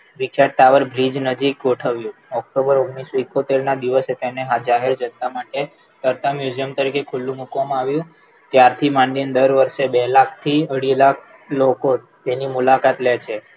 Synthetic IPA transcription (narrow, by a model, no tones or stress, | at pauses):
ʋikʰjaʈ̚t̪aʋəɾbʱɾid͡ʒnəd͡ʒik̚ɡoʈʰəʋjũɔk̚ʈobəɾoɡɳisoikːot̪eɾnad̪iʋəset̪eneɦad͡ʒaɦeɾd͡ʒənt̪amaʈe | t̪əɾt̪amjud͡ʒijəmt̪əɾikekʰulːũmukʋamãaʋjũ | t̪jaɾt̪ʰimãɳɖind̪əɾʋəɾʃebelakʰt̪ʰiəɽilakʰ | lokot̪enimulakat̪let͡ʃʰe